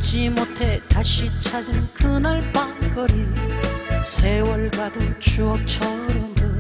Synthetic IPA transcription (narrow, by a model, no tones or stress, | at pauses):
t͡ɕimotʰet̪aɕʰit͡ɕʰad͡ʑinkɯnaɭpanɡʌɾi | sʰewʌɭbadɯnt͡ɕuʌk̚t͡ɕʰʌuɾjʌndɯ